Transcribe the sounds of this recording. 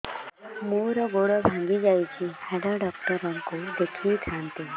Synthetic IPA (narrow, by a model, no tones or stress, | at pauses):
moɾəɡoɽəbʱãŋɡid͡ʒajt͡ɕihɛɖaɖɔk̚ʈəɾə̃ŋkod̪ekʰiːlkʰant̪e